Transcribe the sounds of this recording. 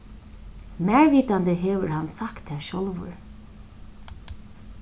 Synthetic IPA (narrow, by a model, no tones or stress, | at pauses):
mæːɹʋiːt̪and̪əɦeːʋəɹhansakt̪ɛːʃɔlʋʊ̰ɹ